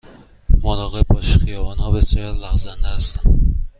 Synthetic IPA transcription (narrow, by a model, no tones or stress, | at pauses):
monɒːɣeb̚bɒːʃxijɒːvɒːnhɒːbesjɒːɾlæɣzænd̪ehæst̪æn